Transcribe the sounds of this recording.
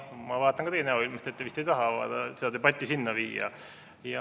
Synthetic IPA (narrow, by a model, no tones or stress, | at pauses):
mɑvɑːt̪ːˑɑnŋkɑt̪ejenæoilmɑst̪et̪ːevist̪e̞jt̪ɑɦɑɑ̰ːd̪ɑsed̪ɑd̪ebɑt̪ʲːisinːɑviːɑ̰ | jɑ